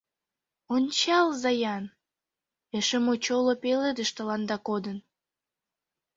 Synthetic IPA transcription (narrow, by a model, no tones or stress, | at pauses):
onʲt͡ɕɑlzɑjɑn | eʃəmut͡ɕolopeled̪əʃt̪əlɑnd̪ɑkod̪ən